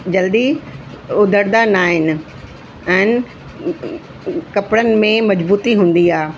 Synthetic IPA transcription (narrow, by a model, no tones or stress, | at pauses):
d͡ʑɐld̪i | ʊd̪ʱəɾd̪anaːɦɪnɪ̆ | ɛ̃ːnɪ̆ | kɐpɪɽənɪ̆mẽmɐd͡ʑbuːt̪iɦũːn̆d̪iaː